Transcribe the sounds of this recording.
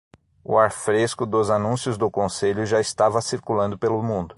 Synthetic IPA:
ʊ̰aɾfɾeskʊd̪ʊzanũsjʊzd̪ʊkõseʎʊʒaɪst̪avɐsiɾkulɐ̃nd̪ʊpelʊmũnd̪ʊ

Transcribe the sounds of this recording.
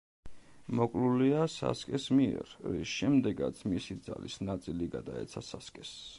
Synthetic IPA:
mɔkʼluliasa̰skʼɛsmiɛ̰ɾɾisʃɛmd̪ɛɡat̪sʰmisid̪za̰lisnat̪sʼiliɡad̪aɛ̰t̪sʰasaskʼɛs

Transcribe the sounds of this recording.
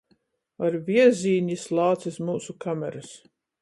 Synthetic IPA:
aɾvʲiɛzʲiːɲislˠɑːt̪sismuːsukamʲɛ̰ɾas

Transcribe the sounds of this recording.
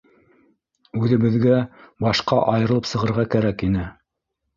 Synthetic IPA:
ʉðɘ̆βɘ̆ðɡæbɑʃqɑʔɑjɤ̆ɾɤlˠɤpsɤ̆ʁɤ̆ɾʁɑkæɾækinɘ

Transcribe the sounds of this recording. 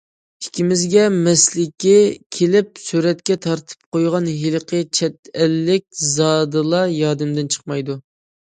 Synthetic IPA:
i̥kʲʰːimɪzɡʲɛmɛslɪkʲːɪkʲʰelɪp̚syɾɛt̪kʲɛt̪ʰɑɾt̪ʰɨ̥p̚qojʁɑnɦilˠɨqʰət͡ʃʰɛt̪ɛlːɪkʲzɑːd̪ɨlˠɑjɑːd̪ɪmd̪ɪnt͡ʃʰə̥χmɑjd̪u

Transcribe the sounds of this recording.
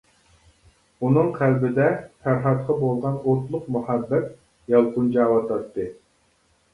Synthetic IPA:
unɨŋqʰælbɪd̪ɛfæɾɦɑt̪̚qʰɑbolˠʁɑnoɾt̪lˠʊqmuhæbːɛt̪̚ | jɑlˠqund͡ʒɑːwɑt̪ɑt̪ːɨ

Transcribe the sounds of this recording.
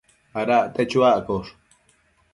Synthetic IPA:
aɾaʔt̪et͡ʃuaʔkoʂ

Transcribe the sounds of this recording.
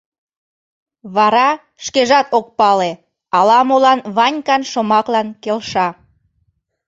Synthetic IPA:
βɑɾɑ | ʃkeʒɑt̪ok̚pɑle | ɑlɑmolɑnβɑnʲkɑnʃəmɑklɑnkelʃɑ

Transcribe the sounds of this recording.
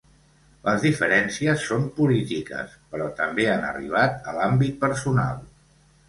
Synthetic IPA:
ləzðifəɾɛnsiəsːompulit̪ikə̰spəɾɔt̪əmbeanə̰rḭβ̞at̪əlambit̪̚pəɾsuna̰lˠ

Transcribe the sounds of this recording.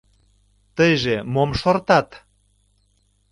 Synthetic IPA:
t̪əjʒemomʃort̪ɑt̪

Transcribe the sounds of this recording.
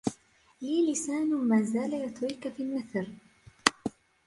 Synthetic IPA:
liːlɪsaːnʊmaːzaːlajat̪wiːkafilmɪθɾ

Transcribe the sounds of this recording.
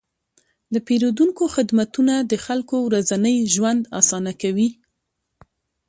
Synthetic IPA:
d̪əpeɾod̪uŋkoxɪd̪mat̪unad̪əxalkowɾazanəjʒwand̪ɑ̰sɑnakawi

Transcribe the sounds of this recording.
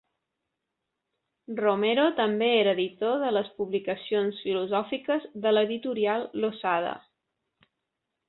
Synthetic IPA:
romeɾot̪əmbeeɾəːðit̪oðələspuβlikəsionsfiluzɔfikəzðələðit̪uɾialˠːosað̞ə̰

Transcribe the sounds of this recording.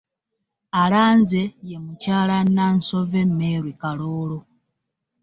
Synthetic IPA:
alaːnze̞jemucaːlananso̞vemːeɾwikaloːlo

